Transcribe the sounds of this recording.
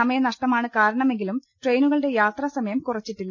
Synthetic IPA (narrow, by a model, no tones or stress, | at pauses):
ɐmɐjɐnɐʂʈɐmaːɳɨkaːɾɐɳɐme̞ŋɡilumʈre̞jnuɣɐɭɨɽe̞jaːt̪rɐsɐmɐjɐmkurɐt͡ɕːiʈːilːɐ